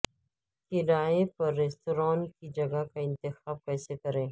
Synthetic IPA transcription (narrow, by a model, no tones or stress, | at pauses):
kɪɾaːepɐɾːeːstoɾãːnkid͡ʒɐɡakaɪ̃nt̪ɪxaːb̚kɛːsekɐɾẽː